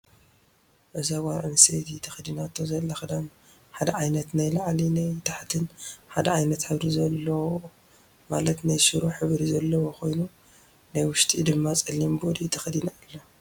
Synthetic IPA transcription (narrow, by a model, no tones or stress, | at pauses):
ʔɨzawaɾʕɨnsejt̪jɪt̪ʰːɐxɨd̪inat̪ʰːozɐlːɐxɨd̪am | ħad̪ɐʕajnɐt̪najlaʕlinajt̪ʰaħt̪ʰɨnħad̪ɐʕajnɐt̪ħɨβɾizɐlːɐwo | malɐt̪najʃɨɾuħɨβɾizɐlːɐwoxo̞jnu | najwʊʃt̪ʼid̪ɨmːat͡sʼɐlːimbod̪ijɪt̪ʰːɐxɨd̪inalːo